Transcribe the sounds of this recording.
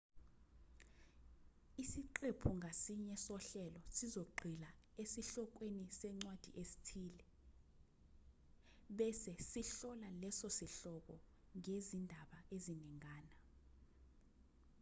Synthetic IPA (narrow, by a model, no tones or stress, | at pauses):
isiǃepʰuŋʱasiɲɛsɔɬɛlɔsizoɡ͡ǃʱila | esiɬɔk̬wenisɛŋ͡ǀwad̥ʱḭʔesi̥tʰiːlɛ | ɓɛsɛsiɬɔlalɛsɔsiɬɔk̬ɔ | ŋezindʱaɓaeziniŋaːna